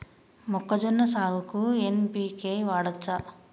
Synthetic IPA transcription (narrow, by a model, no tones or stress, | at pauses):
mɔkːɐd͡ʒɔnːɐsaːlukuenpiːkeːʋaːɽɐt͡ʃːɐ